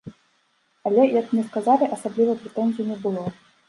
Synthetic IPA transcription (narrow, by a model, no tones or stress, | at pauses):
alʲɛjakmnʲɛskazalʲiʔɐsablʲivɐpɾʲɛt̪ɛnʲzʲijunʲɛbɨlˠɔ